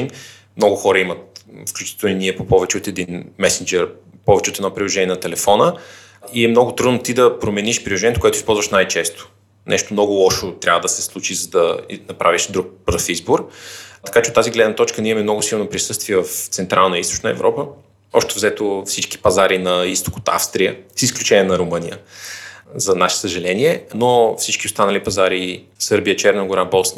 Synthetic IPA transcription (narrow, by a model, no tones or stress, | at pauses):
n | mnɔɡʊxɔɾəimət̪fklʲut͡ʃi̥t̪ɛlniniɛpopɔvɛt͡ʃɛot̪ɛd̪inmɛsind͡ʒɛɾ | pɔvɛt͡ʃɛot̪ɛd̪ɔpɾilˠoʒɛniɛnɐt̪ɛlɛfɔnə | iɛmnɔɡʊt̪ɾud̪not̪id̪ɐpɾomɛniʃpɾilˠoʒɛɲʲjɛt̪okoɛt̪ʊispɔlˠzvɐʃnajt͡ʃɛst̪ʊ̥ | nʔɛ̰ʃt̪omnɔɡʊlˠɔʃot̪ɾʲavəd̪ɐsɛslˠut͡ʃizɐd̪ɐnɐpɾʔa̰viʃd̪ɾuk̚bɾəfizboɾt̪ɐ̥kat͡ʃɛot̪ːaziɡlɛd̪nət̪ɔt͡ʃkəniɛmɛmnɔɡʊsilˠnopɾisɤst̪viɛvɐft̪sɛnt̪ɾʔalˠnəist̪o̥t͡ʃnəɛ̰vɾɔpə | ɔʃt̪ɛvzɛt̪ofsit͡ʃki̥pɐzaɾinɐist̪o̥ko̥t̪a̰fst̪ɾijəsisklʲut͡ʃɛnʲiɛnɐɾʊmɤnijə | zɐnaʃɛ̥səʒɐlɛniɛnofsit͡ʃkiʊst̪anəlipɐzaɾi | sɤɾbijət͡ʃɛɾnɐɡʊɾabɔlˠsn